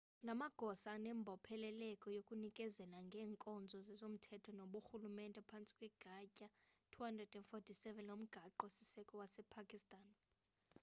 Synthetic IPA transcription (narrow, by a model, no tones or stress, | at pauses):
namaɡ̥ʱɔsanɛmbʱɔpʰɛlɛlɛkʼɔjokʼunikʼɛzɛlaŋɡʱɛːŋkʼɔnd͡zʱɔzɛzom̩tʰɛtʰɔnoɓuxulumɛntʼɛpʰant͡sʼi̥kʼwɛɡ̥ʱacʼatʰuhandrɛd̥ɛnfotʰisɛvɛnom̩ɡ̥ʱaǃɔsisɛkʼɔwasɛpʰakʼistʼaːn